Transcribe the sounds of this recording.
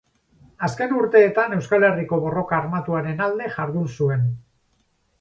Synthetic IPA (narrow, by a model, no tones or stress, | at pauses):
aske̞nuɾt̪e̞ːt̪ane̞wskale̞riko̞βo̞ro̞kaːɾmat̪uaɾe̞nald̪e̞ʝaɾðusue̞n